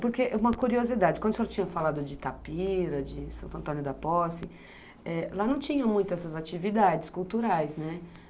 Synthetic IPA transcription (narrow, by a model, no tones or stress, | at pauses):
poɾkeʔɛũmɐkuɾiozid̪ad͡ʒɪkwɐ̃d̪ʊseɾt͡ʃĩɲɐfalad̪ʊd͡ʒɪt̪apiɾɐd͡ʒɪsɐ̃nt̪ɐ̃t̪õnjʊd̪ɐpɔsɪ | ɛlanɐ̃w̃t͡ʃĩɲɐ̃mũj̃t̪ʊɛsɐzat͡ʃivid̪ad͡ʒɪskuwt̪uɾajsnɛ